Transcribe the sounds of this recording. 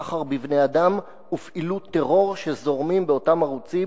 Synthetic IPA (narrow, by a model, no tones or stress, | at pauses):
χaʁbivnead̪am | ufʔilut̪ːeʁo̞ʁʃezo̞ʁmimbeo̞tamaʁut͡si